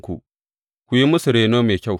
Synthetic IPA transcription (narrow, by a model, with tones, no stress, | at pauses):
kʷṵ˨ | kʷu˨˦ji˦mʊ˦su˨ɾeː˨noː˦meː˨kʲa˦˨w